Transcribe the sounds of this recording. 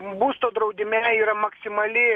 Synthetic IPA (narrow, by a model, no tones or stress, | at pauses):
buːst̪oːd̪ɾɐʊd̪ʲɪmʲɛiːɾɐmɐksʲɪmɐlʲɪ